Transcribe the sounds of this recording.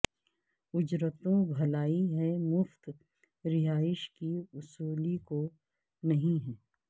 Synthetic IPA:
ʊd͡ʒɾət̪õbʱɐlaːiɦɛmʊft̪ | ɾɪɦaːɪʃkiʊsuːliko | nɐɦĩɦɛː

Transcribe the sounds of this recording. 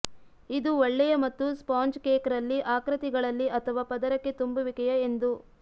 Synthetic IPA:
id̪uʋɐɭːɛjɐmɐt̪ːuspaːnd͡ʒkeːkɐɾɐlːiʔaːkɾɐt̪iɡɐɭɐlːiʔɐt̪ʰɐʋaːpɐd̪ɐɾɐkːet̪umbuʋikɐjɐend̪u

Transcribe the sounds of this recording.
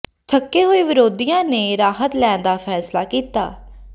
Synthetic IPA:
t̪ʰəkːeːɦoːiːʋɪɾoːd̪iːjãːneːɾaːɦət̪lɛːnd̪aːpʰɛːslaːkiːt̪a̰ː

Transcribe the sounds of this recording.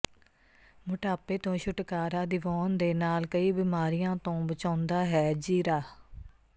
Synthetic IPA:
mʊʈaːpeːt̪õːʃʊʈkaːɾãːd̪ɪʋɔːnd̪eːnaːlkəiːbiːmaːɾijãːt̪õːbət͡ʃãːnd̪aːɦɛːd͡ʒiːɾaː

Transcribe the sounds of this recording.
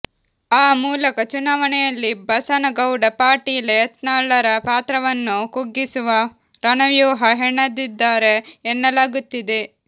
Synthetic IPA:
aːmuːlɐkɐt͡ʃunaːʋɐnɛjɐlːibɐsɐnɐɡɐwɖɐpaːʈiːleɐt̪naːɭɐɾɐpaːt̪ɾɐʋɐnːukuɡːisuʋɐ | ɾɐnɐʋjuːɦɐɦeɳːɐd̪id̪ːaːɾe̞ːnːɐlaːɡut̪ːid̪e̞

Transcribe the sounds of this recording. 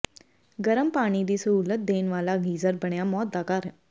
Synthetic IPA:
ɡəɾəmpaːɽ̃iːd̪iːsəɦuːlət̪̚d̪eːnʋaːlaːɡiːzəɾbəɽ̃jaːmɔːt̪̚d̪aːkəɾɛ

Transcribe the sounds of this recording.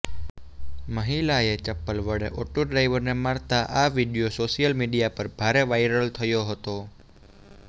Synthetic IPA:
məɦilaet͡ʃəpːəlʋəɽeʔoʈuɖɾajʋəɾnemaɾt̪aʔaʋiɖijosoʃijəlmiɖijapəɾbʱaɾeʋajɾəlt̪ʰəjoɦət̪o

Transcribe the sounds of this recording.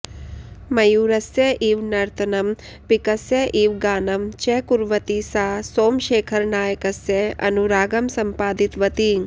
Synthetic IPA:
mɐjuːɾɐsjeʔiːʋnɐɾt̪ʰɐnɐm | pikɐsjɐʔiːʋɡaːnɐmt͡ʃekuɾʋɐt̪isaːsoːmʃeːkʰɐɾnaːjɐkɐsjeɐ̰nuɾaːɡɐmsɐmpaːd̪it̪ʋɐt̪iːŋ

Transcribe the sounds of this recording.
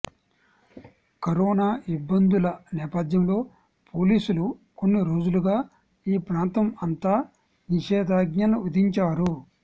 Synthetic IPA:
kɐɾoːnaːʔibːɐnd̪ulɐnɛːpɐd̪ʱjɐmlo̞ː | poːliːsuluko̞nːiɾo̞ːd͡ʒuluɡaː | iːpɾaːnt̪ɐmɐnt̪aː | niʃɛːd̪aːɡɲɐluʋɐd̪iɲt͡ʃaːɾu

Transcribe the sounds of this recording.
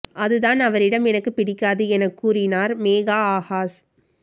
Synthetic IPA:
ʔɐðɯðaːnɐʋɐɾɪɽɐmɛnɐkːɯpɪɽɪkːaːðɯɛnɐkːuːɾɪnaːɾmeːɣaːaːɣaːs

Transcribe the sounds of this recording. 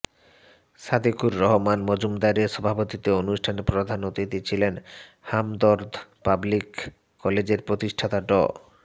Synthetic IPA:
sad̪ikuɾːɔɦomanmod͡ʑumd̪aɾeʃɔbʱapot̪it̪eonuʃʈʰanepɾod̪ʱanot̪it̪it͡ɕʰilen | hamd̪ɔɾd̪ʱpablikː | ɔled͡ʑeɾpɾot̪iʃʈʰat̪aɖɔ̰

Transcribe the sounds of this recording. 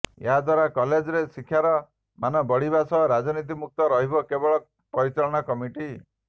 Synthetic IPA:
ḛɦad̪ʱwaɾakɔled͡ʒɔɾesikʰjaɾɔ | manɔbɔɽibasɔɾad͡ʒɔnit̪̬imuk̚t̪ɔɾɔɦibɔkebɔɭɔ | pɔɾit͡ʃaɭɔɽ̃akɔmiʈi

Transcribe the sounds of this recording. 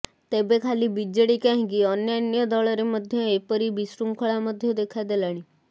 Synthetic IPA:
t̪ebekʰaliːbid͡ʑəɽikaɦĩɡiːənjanjəd̪ɔɭəɾeməd̪ʱjeepəɾiːbisɾuŋkʰəɭaməd̪ʱːjed̪ekʰajd̪elaɽ̃i

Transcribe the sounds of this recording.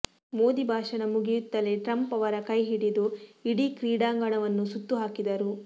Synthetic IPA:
moːd̪ibʱaːʃɐnɐmuɡijut̪ːɐleʈɾɐmpɐʋɐɾɐkɐjɦiɽid̪uiɽikɾiːɽaːŋɡɐɳɐʋɐnːusut̪ːuɦaːkid̪ɐɾu

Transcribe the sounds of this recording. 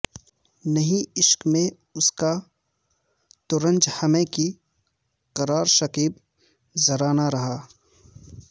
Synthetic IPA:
nɐɦĩɪʃkmẽ | ʊska | t̪ʊɾə̃nd͡ʒhɐmẽki | qɐɾaːɾʃɐqiːb | zɐɾaːnaɾɐɦaː

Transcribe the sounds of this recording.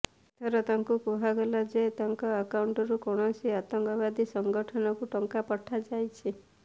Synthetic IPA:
t̪ʰɔɾɔt̪aŋkukuɦaɡɔlɔd͡ʒet̪aŋkɔːkauɳʈɔɾukɔɽ̃ɔsiat̪ɔŋkɔβad̪ʱisɔŋɡɔʈʰɔnɔkuʈɔŋkapɔʈʰad͡ʒajt͡ʃʰi

